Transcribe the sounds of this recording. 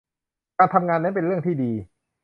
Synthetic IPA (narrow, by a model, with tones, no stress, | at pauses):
kaː˧nt̪ʰa˧mŋaː˧nːa˦˥jpe˧nɾɯ˥˩əŋt̪ʰiː˥˩diː˧